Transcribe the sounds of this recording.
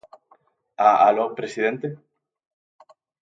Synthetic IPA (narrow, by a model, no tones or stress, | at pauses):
aalopɾesiðent̪e